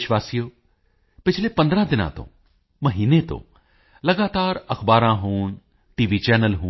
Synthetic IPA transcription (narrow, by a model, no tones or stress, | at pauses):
ʃʋaːsijo | pɪt͡ʃʰlepɐ̃nd̪ɾãd̪ɪnã̰t̪õ̰ː | mɐɦiːnet̪õ̰ | lɐɡaːt̪aːɾɐxbaːɾãɦuːn | ʈiːʋit͡ʃɛːnəlɦuː